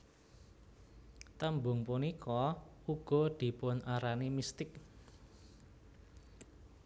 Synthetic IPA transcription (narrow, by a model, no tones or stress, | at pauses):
t̪əmbʊŋpunikʰɔuɡ̥ɔ̤d̪̥i̤pʊnʔaɾanimist̪ɪk